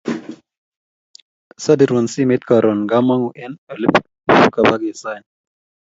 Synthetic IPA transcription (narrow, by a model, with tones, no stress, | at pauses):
sa˦di˨ɾwo˨nsi˦mɛ˦t̪̚ka˨ɾɔ˨nɡa˦ma˦ŋu˨ʔɛ˦nɛ˨li˦p | u˨u˦ka˨ba˦ɡɛ˨sa˦˨n